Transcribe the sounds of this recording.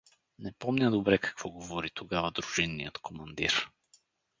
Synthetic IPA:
nɛpɔmnʲad̪obɾɛkḁkvɔɡovɔɾit̪oɡavɐd̪ɾuʒinːijət̪kʰomɐnd̪iɾ

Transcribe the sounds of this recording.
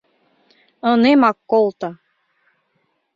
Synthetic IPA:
ɤnemɑkːolˠt̪ɑ

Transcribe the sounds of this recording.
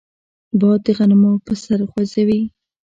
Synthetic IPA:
bɑd̪əɣanmopəsaɾxwazawi

